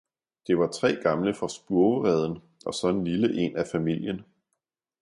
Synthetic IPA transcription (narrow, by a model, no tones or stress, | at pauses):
d̥e̝ʋɑ̈t͡sʰʁɛ̰ːɡ̥ɑ̈mləfʁɑ̈sb̥uɐəʁɛð̞ˠn̩ | ʔɒ̽sɒ̽enliləʔe̝næfæmil̰jən